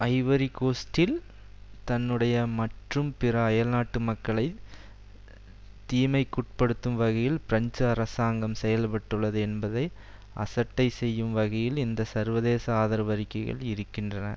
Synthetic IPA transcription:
ɐɪʋɐɾikoːsʈɪl | t̪ɐnːɯɽɐjɐmɐʈrɯmpɪɾɐːjɐlnaːʈːɯmɐkːɐɭɐɪ | t̪ːiːmɐɪkːʊʈ̚pɐɽɯt̪ːɯmʋɐɣɐjɪlpɪɾɐɲd͡ʒɯɐɾɐsaːŋɡɐmsɛjɐlpɐʈːɯɭːɐðɯɛnbɐðɐɪ | ʔɐ̰sɐʈːɐɪsɛjːɯmʋɐɣɐjɪlɪnd̪ɐsɐɾʋɐðeːsɐaːðɐɾɐʋɐɾɪkːɐɪɣɐ̰ɭɪɾɯkːɪndrɐnɐ̰

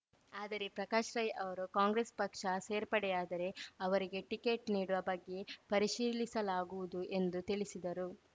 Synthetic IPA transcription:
aːd̪ɐɾepɾɐkaːʃɾɐjʔɐʋɐɾukaːŋɡɾespɐkʂɐseːɾpɐɽɛjaːd̪ɐɾe̞ɐʋɐɾiɡe̞ʈikeʈniːɽuʋɐbɐɡːe̞pɐɾiʃiːlisɐlaːɡuʋud̪uʔe̞nd̪ut̪iɭisid̪ɐɾu

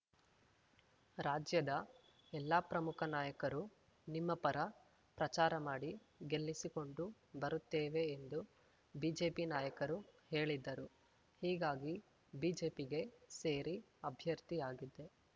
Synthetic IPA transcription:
ɾaːd͡ʒjɐd̪ɐ | ɛlːapɾɐmukʰɐnaːjɐkɐɾu | nimːɐpɐɾɐ | pɾɐt͡ʃaːɾɐmaːɽi | ɡe̞lːisiko̞ɳɖu | bɐɾut̪ːeːʋe̞ːnd̪u | biːd͡ʒe̞ːpinaːjɐkɐɾuhe̞ːɭid̪ːɐɾu | hiːɡaːɡi | biːd͡ʒe̞ːpiɡe̞se̞ːɾi | ɐbʱjɐɾt̪ijaːɡid̪ːe̞

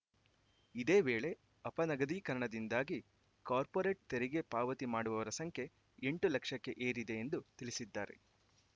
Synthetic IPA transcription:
id̪e̞ːʋeːɭe̞ | ɐpɐnɐɡɐd̪iːkɐɾɐɳɐd̪ind̪aːɡi | kaːɾpoːɾe̞ːʈ̚t̪eɾiɡe̞paːʋɐt̪imaːɽuʋɐʋɐɾɐsɐŋkʰje̞ | eɳʈulɐkʂɐkːe̞ʔeːɾid̪e̞end̪ut̪iɭisid̪ːaːɾe̞̰

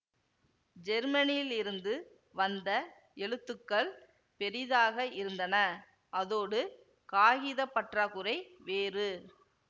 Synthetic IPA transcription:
d͡ʒɛɾmɐnɪjɪlɪɾɯnd̪ɯ | ʋɐnd̪ɐ | ɛɭɯt̪ːɯkːɐɭ | pɛɾɪðaːɣɐɪɾɯnd̪ɐnɐ | ʔɐðoːɽɯ | kaːɣɪðɐpːɐʈraːkɯɾɐɪʋeːrɯ

